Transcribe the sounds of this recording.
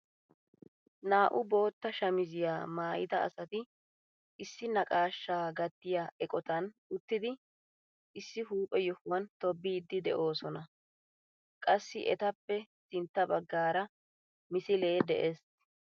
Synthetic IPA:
naːʔʊbo̞ːt̪ːɐʃɐmɪzɪjaːmaːjɪ̰t̪ɐɐ̰sɐt̪ɪ | ʔɪsːɪnɐkʼaːʃːaːɡɐt̪ːɪjaːʔɛkʼɔt̪ɐnʊt̪ːɪd̪ɪ | ʔɪsːɪɦuːpʼɛjɔhʊwɐnt̪ɔbːiːd̪ːɪd̪ɛ̰ʔo̞ːsɔnɐ | kʼɐsːɪʔɛt̪ɐpːɛsɪnt̪ːɐbɐɡːaːɾɐ | mɪsɪle̞ːd̪ɛʔeːs

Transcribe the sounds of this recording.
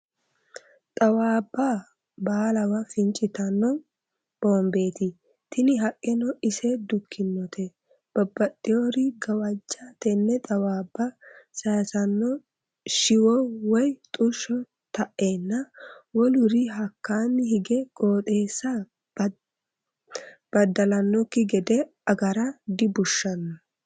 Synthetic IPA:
t̪ʼɐwaːbːa | baːlɐwɐfɪnt͡ʃʼɪt̪ɐnːɔ | b̥oːmbe̞ːt̪ɪ | t̪ɪnɪɦɐkʼːɛnɔɪsɛd̪ʊkʰːɪnːɔt̪ʰɛ | b̥ɐbːɐt̪ʼːɪjoɾɪɡɐwɐd͡ʒːat̪ɛnːɛt̪ʼɐwaːbːɐsɐjsɐnːɔ | ʃɪwɔwɔjt̪ʼʊʃɔ | t̪ɐʔːe̞ːnːɐwɔlʊɾɪɦɐkːaːnːɪhɪɡɛɡʼo̞ːt̪ʼe̞ːsːa | b̥ɐd̪ːɐlɐnːɔkːɪɡɛd̪ɛ | ɐɡɐɾɐd̪ɪbʊʃːɐnːɔ

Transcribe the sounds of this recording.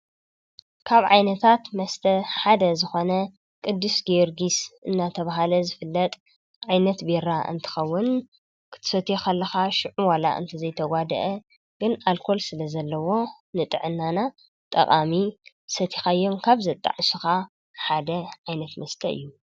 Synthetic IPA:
kʰaβʕa̰jnɐt̪ʰat̪mɐst̪ʰɐħad̪ɐzɨxo̞nɐ | kʼɨd̪ːɨsɡeɾɡisʔɨnːat̪ʰɐβaɦalɐzɨfɨlːɐt̪ʼ | ʕajnɐt̪beɾaʔɨ̰nt̪ʰɨ̥xɐwːʊn | kʰɨ̥t̪ʰɨ̥sɐt̪ʰexʰɐlːɐxaʃɪʕuwala̰ʔɨ̰nt̪ʰizɐjt̪ʰɐɡʷad̪ɐ̰ʔɐ | ɡ̥ɨnalkʰo̞lsɨlɐzɐlːɐwo̞ | nɨt̪ʼɨʕɨnːana | t̪ʼɐ̰kʼami | sɐt̪ʰi̥xaɨjːo̞mkʰaβzɐt̪ʼːa̰ʕsuxa | ħad̪ɐʕajnɐt̪mɐst̪ʰɐɨ̰jːu

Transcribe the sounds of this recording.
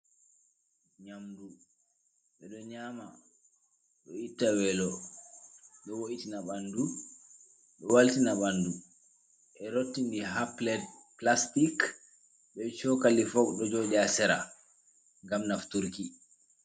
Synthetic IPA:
ɲamdu | ɓɛɗɔɲaːma | ɗɔitːawɛlɔ | ɗɔwoʔitinaɓandu | ɗɔwaltinaɓandu | ʔɛɾotːindiɦaplɛd | plastik | ɓɛt͡ʃɔkalifɔkɗɔd͡ʒoɗiasɛɾa̰ | ŋɡamnaftuɾki

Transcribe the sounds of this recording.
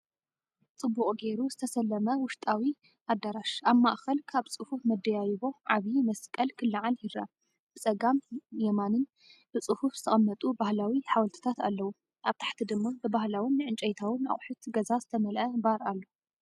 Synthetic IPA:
t͡sʼɨbːuqʼɡejɾuzɨt̪ʰɐsɐlːɐmɐwʊʃt̪ʼawi | had̪ːaɾaʃaβmaʔxɐlkʰaβt͡sʼɨhufmɐd̪ːɐjajβo̞ʕaβimɐskʼɐlkʰɨlːɨʕaljɪɾa̰ | b̥ɨt͡sʼɐɡamjɛmanɨn | b̥ɨt͡sʼɨhufz̥ɨ̥t̪ʰɐχʼɐmːɐt̪ʼubahlawiħawɐlt̪ʰɨ̥t̪ʰat̪a̰lːɐwu | ʔaβt̪ʰḁħt̪ʰid̪ɨmːabɨbahlawɨnːɨʕɨnt͡ʃʼɐjt̪ʰawɨna̰χʼħut̪ɡɐzazɨt̪ʰɐmɐlʔɐbaɾalːo

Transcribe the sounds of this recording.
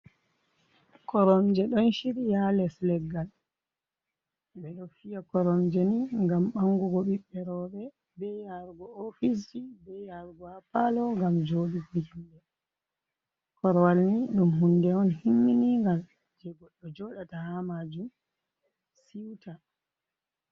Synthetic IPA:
kɔɾɔmd͡ʒɛɗɔnʃiɾijalɛslɛɡːal | ɓɛɗɔfijakɔɾɔmd͡ʒɛniŋɡamɓaŋɡɔɡɔɓiɓɛɾɔɓɛ | bɛjaɾɡɔofis̬ibɛjaɾɡɔapalɔŋɡamd͡ʒoɗibiindɛ | kɔɾɔwalniɗumɦundɛɔnhimːiniŋɡam | d͡ʒɛɡɔɗːɔd͡ʒɔɗatahamad͡ʒum | siwta

